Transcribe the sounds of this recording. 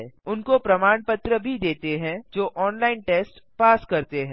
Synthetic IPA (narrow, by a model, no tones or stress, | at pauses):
ʊnkopɾɐmaːɳpət̪ɾəbʱid̪eːt̪eɦɛ̃d͡ʒoːʔɔːnlaːɪnʈeːsʈ | paːskɐɾt̪eɦɛ̃ː